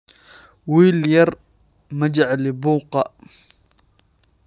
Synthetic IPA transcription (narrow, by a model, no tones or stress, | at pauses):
wiːljɑɾˤ | mad͡ʒaʕlibuːqɑ